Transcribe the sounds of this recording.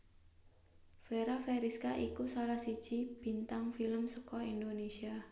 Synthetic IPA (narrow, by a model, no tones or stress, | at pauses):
feɾafeɾiskaʔikusalahsid̥ʒ̥ib̥i̤nt̪aŋfiləmsəkɔind̪onesia